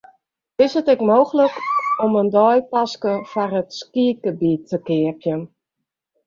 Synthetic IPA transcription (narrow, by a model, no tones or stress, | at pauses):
ɪsətɛkmoːxələkɔməndɔjpaskəfarətskiəɡ̚əbiːtʰːəkɪərpjən